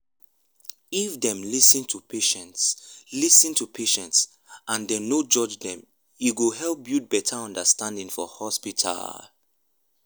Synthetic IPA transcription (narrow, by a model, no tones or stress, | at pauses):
ifdɛ̃mlisə̃ntʰupʰeʃɛ̃ntslisɨ̃ntʰupʰeʃɛ̃nts | ʔãndɛnod͡ʒɔd͡ʒdɛ̃m | jiɡuɦɛlp̚bjut̚bɛtʰaɔ̃ndəstãndĩŋfɔ̰hɔspitʰa̰l